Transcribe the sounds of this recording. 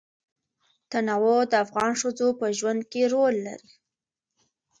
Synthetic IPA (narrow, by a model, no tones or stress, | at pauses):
t̪anawod̪əafɣɑnʂəd͡zopəʒwand̪̚keɾolːa̰ɾi